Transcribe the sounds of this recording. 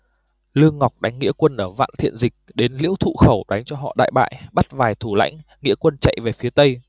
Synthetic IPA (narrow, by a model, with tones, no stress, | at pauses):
lɨ˧əŋːɔ˨˩wk͡p̚ɗa˨˦jŋ̟ŋːḭ˧˥əkwə˧nʔəː˧˩va̰ː˧˨nt̪ʰḭ˧˨ənzï˨˩k̟̚ɗe˨˦nlḭ˧˥wt̪ʰṵ˧˨xə˧˩wɗa˨˦jŋ̟t͡ɕɔ˧ɦɔ̰˧˨ɗa̰ː˧˨jɓa̰ː˧˨jɓa˦˥t̚vaː˨˩jt̪ʰu˧˩la̰˧˥jŋ̟ | ŋḭ˧˥kwə˧nt͡ɕa̰˧˨jve˨˩fi˨˦ət̪ə˧j